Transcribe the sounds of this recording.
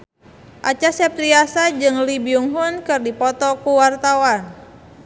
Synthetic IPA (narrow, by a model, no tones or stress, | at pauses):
ʔat͡ʃasɛpɾiasad͡ʒɨŋlibiuŋɦunkɨrdipɔt̪ɔkuwart̪awan